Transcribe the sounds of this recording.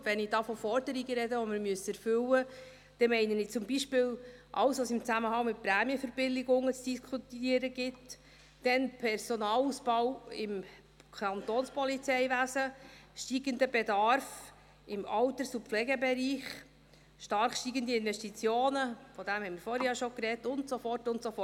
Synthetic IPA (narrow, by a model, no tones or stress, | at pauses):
ʋɛnɪdɑːfɔfɔɾdəɾiɡəɾɛdəʋɔmɪɾmyəsɛɾfʏwə | d̪̥ɛmɛɪnənɪt͡sʊmbiʃpɪːlʔɑ̰wsʋosɪmt͡sæməɦɑŋmɪt̚pɾæːmiəfəɾb̥ɪlːɪɡʊŋːət͡sd̥iskʰutiːəɾəɡɪt | d̥ɛnpʰɛɾsɔnɑːlusb̥ɑwɪm | kʰɑnt̪oːnspɔlit͡sɛɪʋæsəʃtiːɡənd̪əbɛdɑɾf | ɪmɑwtəɾsup̪flɛɡɛbɛɾiːχ | ʃtɑɾχʃtiːɡəndiɪnvɛʃtit͡sjoːnəfɔd̥æmhɛɪmɪɾfɔɾhjɑʃokɾɛtʊntsofɔrtʊntsofɔ